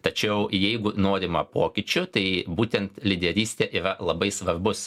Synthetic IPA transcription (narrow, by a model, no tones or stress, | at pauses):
t̪ɐt͡ʃʲɛʊjɛɪɡʊnoːɾʲɪmɐpoːkʲɪt͡ʃʲʊt̪ɐɪbuːt̪ʲɛnt̪lʲɪd̪ʲɛɾʲiːsʲt̪ʲeːʔiːɾɐlˠɐbɐɪsʋɐrbʊs